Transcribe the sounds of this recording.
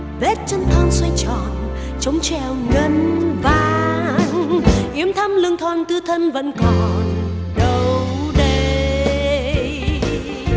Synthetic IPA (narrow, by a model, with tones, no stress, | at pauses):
vɛ˦˥t̚t͡ɕə˧nt̪ʰaː˧nswa˧jt͡ɕɔ˨˩n | t͡ɕə˨˦wŋ͡mt͡ɕɛ˧˩wŋə˧nvaː˨˩ŋʔi˨˦əmt̪ʰa˧mlɨ˧əŋt̪ʰwaː˨˩nt̪ɨ˧t̪ʰə˧nvə̰˧˥nkɔ˨˩n | ɗə˨˧wɗe˧